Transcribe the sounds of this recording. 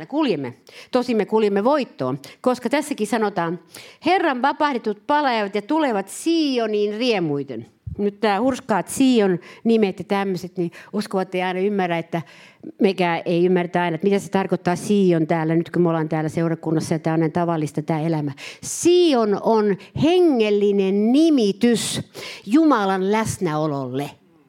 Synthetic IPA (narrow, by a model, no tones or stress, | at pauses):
ækuljemːet̪osimːekulijemːeʋoit̪ːo̰ːnkoskɑt̪æsːækisɑnot̪ɑːnherːɑnʋɑpɑhdet̪ut̪̚pɑleːʋɑt̪jɑt̪uleʋɑt̪siːoniːnriemuit̪ḛn | nyt̪t̪æːhurskɑːt̪siːonnimet̪jɑt̪æmːøset̪niuskoʋɑt̪ːeiɑinɑymːærːæet̪ːæmekæeiymːært̪æɑinɑet̪mit̪æse̥t̪ɑrkot̪ːɑːsiːont̪æːlːænyt̪kymolɑnt̪æːlːæseurɑkunːɑsːɑjɑt̪æːonent̪ɑʋɑlːist̪ɑt̪æːelæmæsiːononheŋːelːinennimit̪ysjumɑlɑnlæsnæololːe